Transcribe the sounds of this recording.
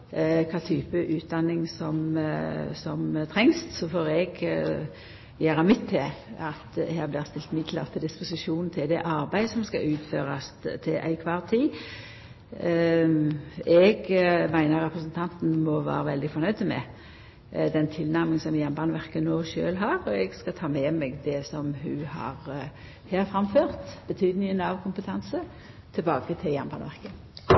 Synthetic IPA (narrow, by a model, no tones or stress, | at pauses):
kʰɑːt̪ʰyːpəʔʉːt̪̚d̪ɑnːɪŋsɔm | sɔmt̪ʰɾɛŋssɔfoːɾɛɡ | jæːɾɑmɪt̪ʰːɪlɑt̪hæːʁblɪːʁst̪ɪlt̪mɪd̪lə̰ʁt̪ʰɪld̪ɪspʊsɪʃuːnn̩t̪ʰɪld̪ɛʔɑɾbæɪsɔmskɑ̰ʔʉːt̪føːɾɑst̪ʰɪlʔæ̰ɪkʰʋɑːʁt̪ʰiː | ɛɡmæɪnəɾʁɛpʁəsənt̪ʰɑnt̪n̩mɔʋæ̰ːɾəʋɛld̪ɪfɔɾnœʏd̪əmɛ̰ | d̪ɛnt̪ʰɪlnæʁmɪŋsɔmjænbɑːnəʋæʁkənoːʃøːlɦɑːʁɔɛɡskɑt̪ʰɑːmɛmɛɡd̪ɛsɔmhʉhɑ̰ːʁ | heːɾfʁɑmføːʁt̪b̥ət̪ʰyːd̪nɪŋənɑʋkʰʊmpət̪ʰɑnsə | t̪ʰɛlbɑːkət̪ʰɪljænbɑːnʋæʁkə